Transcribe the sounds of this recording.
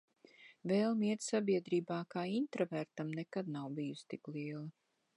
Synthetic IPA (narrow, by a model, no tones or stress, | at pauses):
vɛːlˠmiɛt̪sabiɛd̪ɾiːbaːkaːint̪ɾɔvæɾt̪amnekad̪nawbijust̪iklˠiɛlˠɐ